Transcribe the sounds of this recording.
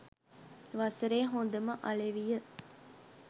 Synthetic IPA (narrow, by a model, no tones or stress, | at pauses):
ʋɐsəɾeːɦond̪ɐməʔɐɭeʋijə